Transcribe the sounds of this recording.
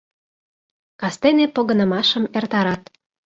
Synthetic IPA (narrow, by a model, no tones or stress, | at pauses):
kɑst̪enepoɣɤ̆nə̆mɑʃə̆mert̪ɑɾɑt̪̚